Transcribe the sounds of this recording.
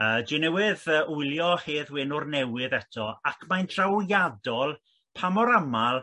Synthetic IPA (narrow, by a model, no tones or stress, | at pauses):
əːdɪnɛwɪðəːʔʊjljɔheːðwɪnʊrnɛwɪðɛtʰɔakʰmajntʰrawjadɔlˠ | pʰamɔɾamalˠ